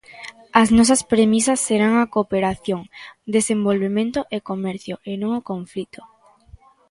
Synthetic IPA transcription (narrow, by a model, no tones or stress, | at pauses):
ɐznɔsɐspɾemisɐsːeɾaŋakopeɾaθjoŋd̪esembolβemẽnt̪oʔekomɛɾθjoʔenõŋokõɱflit̪o̥